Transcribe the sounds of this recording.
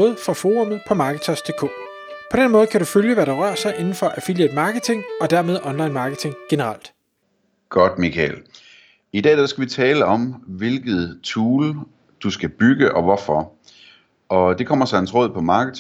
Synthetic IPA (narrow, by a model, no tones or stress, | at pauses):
ð̩ˠfʁɑ̈fo̝ːʁɔmð̩ˠpʰɒ̽mɑ̈ːɡ̥ət͡sʰɒsd̥e̝kʰɔ̰ː | pʰɒ̽d̥enmɔ̽ːð̩ˠkʰæɾuføljəʋæɾ̥ɑ̈ʁɶɐ̰sɑ̈ɪʔe̝nn̩fɒ̽ʔæfiljed̥ˠmɑ̈ːɡ̥ət͡sʰe̝ŋɒ̽d̥æɐme̝ð̞ˠʔɒ̽nlɑ̈ɪnmɑ̈ːɡ̥ət͡sʰe̝ŋɡ̥e̝nəʁal̰d̥ | ɡ̥ɒ̽d̥mikʰɛl | id̥ɛ̰ːd̥ææsɡ̥æʋit͡sʰɛːləɒ̽mʋe̝lɡ̥ð̞̩ˠt͡sʰuːl | d̥usɡ̥æb̥yɡ̥əʔɒʋɒfɒ | ɒ̽d̥e̝kʰɒ̽m̰ɐsɑnsʁɔ̽ːð̞̰ˠpʰɒ̽mɑ̈ːɡ̥ət͡sʰ